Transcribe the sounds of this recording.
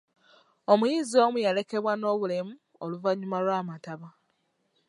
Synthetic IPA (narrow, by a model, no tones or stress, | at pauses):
o̞mujiːzio̞mujale̞ke̞βwano̞ːβule̞mu | oluvaɲumalwaːmataβa